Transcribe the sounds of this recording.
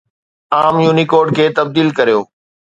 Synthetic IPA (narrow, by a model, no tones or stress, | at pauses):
aːmjuːnikoːɾɖ̚kʰeːt̪ɐb̚d̪iːlkɐɾijoː